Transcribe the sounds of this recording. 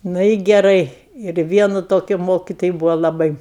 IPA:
ˈnʊ ɪ ɡʲɛˈrɐɪ ɪr ˈʋʲiɛnʊ ˈtoːkʲʊ ˈmoːkʲɪtoːjɪ ˈbuːʋoː lˠɐˈbɐɪ

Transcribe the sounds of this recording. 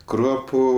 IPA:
ˈkruɔpʊ

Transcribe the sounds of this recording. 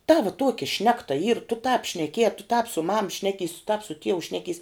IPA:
ˈtɑːʋɐ ˈtuɔkʲɪ ˈʃʲnʲæːktɐ iːr tʊ tɑːp ʃʲnʲɛˈkʲiɛ ɐ tʊ tɑːp sʊ mɐm ˈʃʲnʲæːkʲɛɪs tɑːp sʊ ˈtʲiɛʊ ˈʃʲnʲæːkʲɛɪs

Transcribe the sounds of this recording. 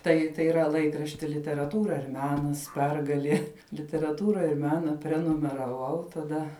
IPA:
ˈtɐɪ tɐɪ iːˈrɐ ˈlˠɐɪkrɐʃʲtʲɪ lʲɪtʲɛrɐˈtuːrɐ ɪr ˈmʲæːnɐs ˈpʲɛrɡɐlʲiɛ lʲɪtʲɛrɐˈtuːrɐ ɪr ˈmʲæːnɐ pʲrʲɛnʊmʲɛrɐˈʋɐʊ tɐˈdɐ

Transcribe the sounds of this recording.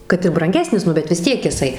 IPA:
ˈkɐt ɪr brɐŋʲˈɡʲæːsʲnʲɪs ˈnʊ bʲɛt ʋʲɪs ˈtʲiɛk jɪˈsɐɪ

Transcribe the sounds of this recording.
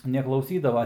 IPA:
nʲɛklˠɐʊˈsʲiːdɐʋɐ

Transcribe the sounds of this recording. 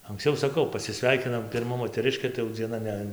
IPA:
ɐŋksʲˈt͡sʲɛʊ sɐˈkɐʊ pɐsʲɪˈsʲʋʲɛɪkʲɪnɐm pʲɪrˈmɐ moːtʲɛˈrʲɪʃʲkʲeː tɐɪ jɛʊ d͡zʲiɛˈnɐ ˈnʲɛ

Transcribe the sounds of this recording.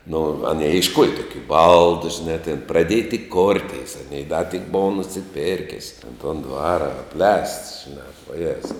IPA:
nʊ ɐˈnʲɛɪ ɪʃˈkuɔjɛ ˈtʊkʲʊ ˈbɐlˠdʊ ʒʲɪˈnɑː tʲeːn prɐˈdʲeːjɛ tʲɪk ˈkoːrʲtʲɪs ɐˈnʲɛɪ dɐ tʲɪk ˈboːʋɐ nʊsʲɪˈpʲeːrʲkʲɪs tʲɛn toːn ˈdʋɑːrɐ ɐpʲˈlʲɛːsts ʒʲɪˈnɑː ʋɐˈjæːzɐʊ

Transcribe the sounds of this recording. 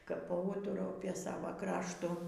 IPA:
ˈkɐp pɐˈuːtʊrɐʊ ɐpʲeː ˈsɑːʋoː ˈkrɑːʃtʊ

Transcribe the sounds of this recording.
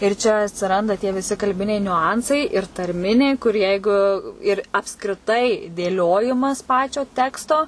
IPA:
ɪr t͡ʃʲɛ ɐtʲsʲɪˈrɐndɐ tʲiɛ ʋʲɪˈsʲɪ kɐlʲˈbʲɪnʲɛɪ nʲʊˈɐnsɐɪ ɪr tɐrʲˈmʲɪnʲɛɪ kʊr ˈjɛɪɡʊ ɪr ɐpskrʲɪˈtɐɪ dʲeːˈlʲoːjɪmɐs ˈpɑːt͡ʃʲoː ˈtʲæːkstoː

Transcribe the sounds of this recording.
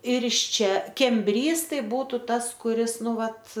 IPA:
ɪr ɪʃ ˈt͡ʃʲɛ kʲɛmʲˈbʲrʲiːs ˈtɐɪ ˈbuːtʊ ˈtɐs kʊˈrʲɪs ˈnʊ ˈʋɐt

